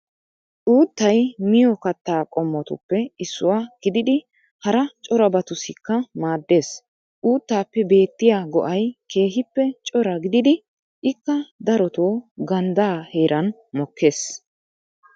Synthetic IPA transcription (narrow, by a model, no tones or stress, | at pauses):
ʔuːt̪ːɐjmɪjɔkɐt̪ːaːkʼɔmːɔt̪ʊ̰pːɛɪsːʊwaːɡ̥ɪd̪ɪd̪ɪ | hɐɾɐt͡ʃʼɔɾɐbɐt̪ʊsɪkːɐmaːd̪ːe̞ːs | ʔuːt̪ːaːpːɛbe̞ːt̪ːɪjaːɡɔ̰ʔɐjke̞ːɦɪpːɛt͡ʃʼɔɾɐɡɪd̪ɪd̪ɪ | ʔɪkːɐd̪ɐɾɔt̪oːɡɐnd̪aːhe̞ːɾʔɐn | mɔkːe̞ːs